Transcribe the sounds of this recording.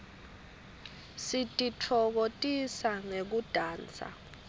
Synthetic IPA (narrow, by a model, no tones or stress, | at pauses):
sitʼit͡fʰɔk̬otʼisaŋek̬ud̥ʱaːnt͡sʰʼa̰